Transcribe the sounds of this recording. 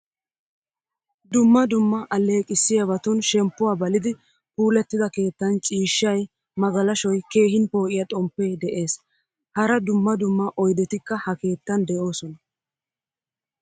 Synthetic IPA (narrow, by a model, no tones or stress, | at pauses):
d̪ʊmːɐd̪ʊmːɐʔɐlːe̞ːkʼɪsːɪjɐβɐt̪ʊnʃɛmpːʊwaːbɐlɪd̪ɪ | puːlɛt̪ːɪd̪ɐke̞ːt̪ːɐnt͡ʃʼiːʃːɐj | mɐɡɐlɐʃɔjke̞ːɦɪnpo̞ːʔɪjɐt̪ʼɔmpːeːd̪ɛʔe̞ːs | hɐɾɐd̪ʊmːɐd̪ʊmːɐʔɔjd̪ɛt̪ɪkːɐhɐke̞ːt̪ːɐnd̪ɛʔo̞ːsɔnɐ